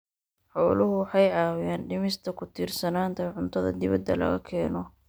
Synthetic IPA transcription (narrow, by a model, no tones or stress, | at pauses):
ħɔːlʊɦʊwħɑjaːwjaːnɖɪmɪst̪ʰɐkʰʊt̪ʰiːrsɐnaːnt̪ʰɐʕʊnt̪ʰɐðɐ̰d̪ɪβɐ̰d̪ːɐ̰lɐ̰ɣɐkʰɛːnɔ